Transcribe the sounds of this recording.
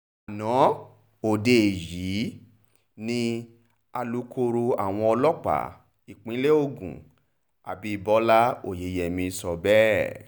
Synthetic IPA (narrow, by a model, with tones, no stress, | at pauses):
a˨nɔ̃˨˦ | o˨de˨ji˨˦ | nĩ˧ | a˧lu˨˦kʰo˧ɾu˧a̰˨w̃ɔ̃˧ɔ˧lɔ˦k͡pa̰˦˨ | i˨k͡pĩ˨˦le˦o˦˨ɡṵ̃˨ | a̰˨bi˦˧bɔ˦la˦o̰˦˨je˨˦jɛ˨mĩ˧˦sɔ˧bɛ˦